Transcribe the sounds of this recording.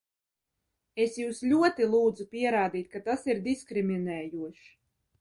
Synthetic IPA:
esjuːslʲuɔt̪ilˠuːd̪zupʲiɛɾaːd̪iːt̪̚kat̪asiɾd̪iskɾimʲinɛːjuɔʃ

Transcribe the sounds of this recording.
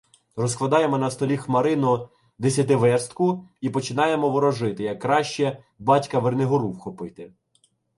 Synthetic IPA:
rɔsklˠɐd̪ɑjemɔnɐst̪ɔlʲixmɐɾɪnɔ | d̪esʲɐt̪ɪʋɛrst̪kʊipɔt͡ʃɪnɑjemɔʋɔɾɔʒɪt̪ɪjɐkːɾɑʃt͡ʃɛ | bɑtʲkɐʋernɪɦɔɾuwxɔpɪt̪ɪ

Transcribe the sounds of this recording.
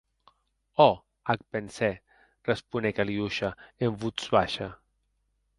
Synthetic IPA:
ɔ | ak̚pensɛ | respunɛkaliuʃaeɱvut͡sβaʃa

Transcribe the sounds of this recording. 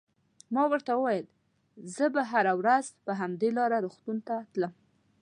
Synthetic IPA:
mɑwəɾt̪awəwajəl | zəbaɦaɾawɾazpəɦamd̪elɑɾaɾoxt̪unt̪at̪ləm

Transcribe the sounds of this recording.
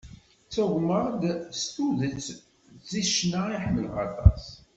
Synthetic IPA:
t͡sːʊʁməʁˤd̪st̪uðət͡s | t͡sːiʃnaiħəmːəlʁɑ̰t̪ˤɑ̰s

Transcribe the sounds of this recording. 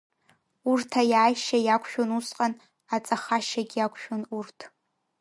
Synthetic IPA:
urtʰajaːjʃajakʷʰʃᶣonusqʼan | at͡sʼaχaʃaɡʲakʷʰʼʃᶣonurtʰ

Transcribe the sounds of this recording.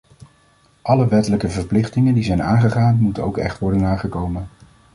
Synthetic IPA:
ʔɑləʋɛtələkəvəɹplɪχtɪŋəndizɛjna̰ːnχəχaːnmutəno̰wkɛ̰χtʋɔɹdənaːχəkowmən

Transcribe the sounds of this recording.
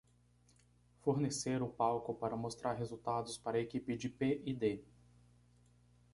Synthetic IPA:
foɾneseɾʊpawkʊpaɾɐmost̪ɾʔaɾɦezuwt̪ad̪ʊspaɾɐekipɪd͡ʒɪpeʔid̪e

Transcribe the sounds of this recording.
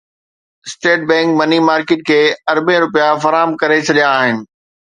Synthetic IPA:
sʈeːʈ̚bɛ̃ːŋkmɐnimaːɾkɪːʈ̚kʰeːɐɾbẽɾʊpijafɐɾaːɦəmkɐɾet͡ɕʰɐɗijaːɦɪnɪ̆

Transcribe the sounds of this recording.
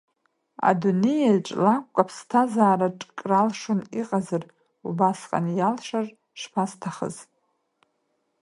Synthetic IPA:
a̰dunejaʈ͡ʂʼlakʷʼːapʰstʰazaːɾaʈ͡ʂʼkʼralʂʊniqʼazar | ubasqʼa̰njalʂar | ʂpʰastʰaχə̰z

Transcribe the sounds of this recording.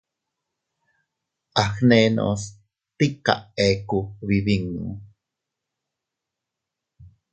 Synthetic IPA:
ʔaxneno̰s | t̪ika̰ʔekuβiβiŋṵ

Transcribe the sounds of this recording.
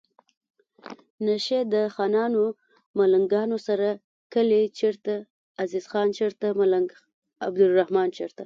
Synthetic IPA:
naʃed̪əxɑnɑno | malaŋɡɑnosaɾa | kəlet͡ʃeɾt̪aː | zizxɑnt͡ʃeɾt̪amalaɡ | abd̪ʊlrahmɑnt͡ʃeɾt̪a

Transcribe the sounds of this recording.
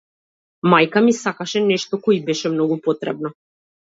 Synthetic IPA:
majkamisakaʃɛnɛʃt̪ɔkɔibɛʃɛmnɔɡupɔt̪ɾɛbnɔ

